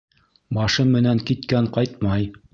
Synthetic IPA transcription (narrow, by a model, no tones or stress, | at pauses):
bɑʃɤmːɘ̆næŋkit̪kæɴqɑjt̪̚mɑj